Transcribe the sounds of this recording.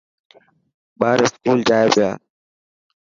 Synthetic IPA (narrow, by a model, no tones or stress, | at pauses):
ɓaːɾɪskuːld͡ʒaːjepɪja̰ː